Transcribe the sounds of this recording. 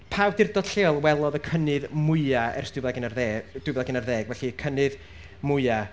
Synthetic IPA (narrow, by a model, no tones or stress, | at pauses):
pʰaːwdɪrdɔd̥ɬeːɔlˠwɛlˠɔðəkʰənɨðmʊɨaɛ̰rsd̥ɪbɛaɡɪnarðɛd̥wɪbɛlˠaɡɪnarðɛːɡvɛɬiəkʰənɨð | mʊɨa